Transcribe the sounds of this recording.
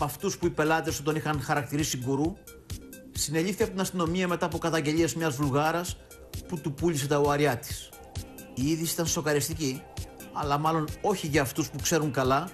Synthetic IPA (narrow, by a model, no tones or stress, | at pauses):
pɐft̪uspuipe̞lɐt̪e̞st̪ot̪̬o̞nixɐnxɐɾɐk̚t̪iɾisiɡuɾu | sine̞ʎifθiɐpot̪inɐst̪ino̞miɐme̞t̪ɐːpo̞kɐt̪ɐɲɟe̞ʎiezmɲɐzvulɣɐɾɐs | put̪upuʎise̞t̪ɐoɐɾiɐt̪i̥s | iiðisi̥t̪ɐnso̞kɐɾist̪ici | ɐlɐmɐlo̞no̞çiʝɐːft̪uspukse̞ɾuŋkɐlɐ